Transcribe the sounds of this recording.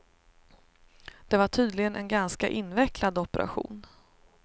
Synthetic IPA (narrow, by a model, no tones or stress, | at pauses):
d̪̥ɛvaʈʰyːd̪lɪɡənʔɛ̰nɡanskaʔɪnːvɛklad̪ɔpɛɾʔa̰ɧṵːn